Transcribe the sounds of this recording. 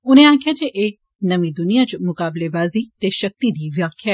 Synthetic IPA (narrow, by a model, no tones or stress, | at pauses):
ʊnẽãːkʰjad͡ʒeʔe | nɐmĩd̪ʊnijat͡ʃmʊkaːblebaːzit̪eʃɐk̚t̪id̪iːʋjaːkʰja